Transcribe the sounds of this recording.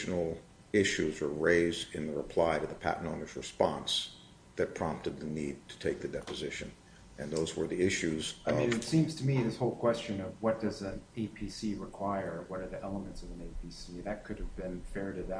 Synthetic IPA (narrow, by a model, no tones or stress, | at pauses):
n̩l̩ˠ | ɪʃʉzə˞ɹeɪzdɨ̃nðɨɹəpʰl̥aɪɾɨðəpʰæ̰ʔnõʊnɨzɹɨspɑ̃ns | ðɨt̚pʰɹ̥ɑ̃mp̚tɨd̪̚ðɨnid̚tʰɨ̥tʰeɪk̚ðɨdɛpɨzɪʃɨ̰̃n | ɨ̃nðoʊzwə˞ðiɪʃʉzʌ̃nɨtsĩmz̥tʰɨmiðɪshoʊlˠkʰw̥ɛst͡ʃɨ̃nʌvwʌt̚d̥ʌzɨ̃neɪpʰisiɹɨkʰw̥aɪə˞wʌɾə˞ðiʔɛlˠəmɨ̃ntsʌvɨ̃neɪpʰisiðɨt̚kʰʊɾɨvbɪ̃nfɛɹɾɨð